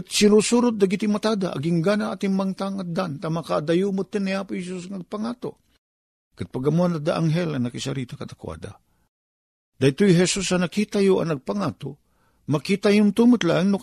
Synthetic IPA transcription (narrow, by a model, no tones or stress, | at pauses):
kt̪̚siɾusuɾʊt̪̚d̪aɡit̪imat̪ad̪a̰ʔa̰ɡɪŋɡanaʔat̪ɪŋmaŋt̪aŋad̪ant̪amakaad̪ajumʊt̪ːɨnːiapʊjhɛsus̬ŋaɡ̚paŋaːt̪o̰ | kɨt̪̚paɡamuanad̪aʔaŋɦɛlɐnakɪsaɾit̪akad̪akwa̰d̪a̰ | d̪̥ajt̪ujɦɛsusanakit̪ajʊɐ̰nɐɡ̚paŋat̪o | makit̪ajʊnt̪umɨt̪laʔŋnʊ